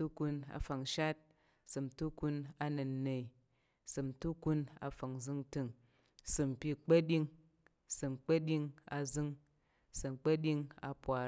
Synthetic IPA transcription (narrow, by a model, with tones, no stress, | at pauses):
tu˦ku˧na̰˨fa˨ŋʃa˦t̚ | sɨ˨mtu˦ku˧na˧nɨ˨nːe˨i˨ | sɨ˨mtu˦ku˧na̰˨˧fa˨ŋzɨ˦ŋtɨ˧ŋ | sɨ˧m˨pʲi˦k͡pɐ˦ɗi˧ŋ | sɨ˨mk͡pɐ˦ɗi˧ŋa˧zɨ˦ŋ | sɨ˨mk͡pɐ˦ɗʲi˧ŋa̰˧pwa˨